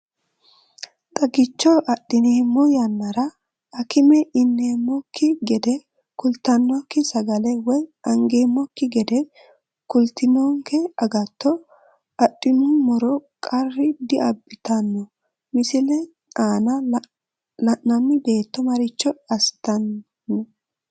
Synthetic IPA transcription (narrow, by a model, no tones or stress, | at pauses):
t̪ʼɐɡɪt͡ʃːɔʔɐɗɪneːmːɔjɐnːɐɾɐ | ɐkɪmɛʔɪnːeːmːɔkːɪɡɛd̪ɛ | kʊlt̪ɐnːɔkːɪsɐɡɐlɛwɔjɐŋɡeːmːɔkːɪɡɛd̪ɛ | kʊlt̪ɪnɔŋkɛɐɡɐt̪ːɔ | ɐɗːɪnʊmɔɾɔkʼɐrːɪd̪ɪʔɐbːɪt̪ɐnːɔ | mɪsɪlɛ | aːnɐ | lɐnɐmːɪbe̞ːt̪ːɔmɐɾɪt͡ʃːɔɐst̪ɐnː | ɔ